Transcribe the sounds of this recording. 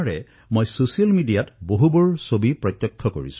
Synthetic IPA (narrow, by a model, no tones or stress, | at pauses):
ɹɛ | mojsosijalmidijatboɦubɔɹsobipɹɔtjɔkʰːɔko̰ɹḭs